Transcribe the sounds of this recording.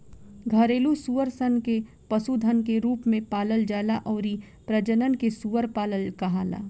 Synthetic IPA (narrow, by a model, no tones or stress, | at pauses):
ɡʱɐɾeːlusuːʋəɾsənke | pɐsud̪ʱənkeɾuːpmẽpaːləld͡ʒaːlaʔɔːɾi | pɾəd͡ʒənənkesuʋəɾpaːləlkaɦaːla̰ː